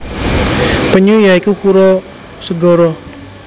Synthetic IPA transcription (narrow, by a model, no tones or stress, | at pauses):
pəɲujaikukuɾɔ | səɡɔɾɔ